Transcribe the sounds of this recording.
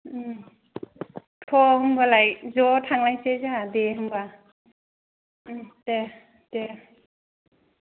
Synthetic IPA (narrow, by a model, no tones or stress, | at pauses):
tʰɔɦɯmbalajzɔtʰaŋlajsezadeɦɯmba | te | d̥e